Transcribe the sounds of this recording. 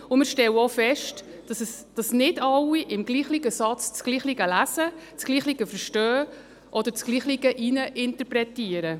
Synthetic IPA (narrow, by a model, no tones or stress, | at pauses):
ʊmɪɾʃtɛwɔfɛʃt | d̥ɑsəsd̥ɑsnɪdɑlːiʔɪmɡliːχliɡəsɑt͡st͡sɡ̥liːχliɡəlæsət͡sɡ̥liːχliɡəfəɾʃtœː | ʔɔd̥̪əɾt͡sɡ̥liːχliɡəʔinəʔɪntəɾpɾɛtiəɾə